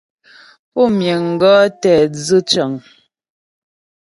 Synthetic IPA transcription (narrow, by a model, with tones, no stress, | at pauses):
pɔ˦˨mjɛ˨ŋ̩˨ɡɔ˦tɛ˨zɨ˦t͡ʃə˨ŋ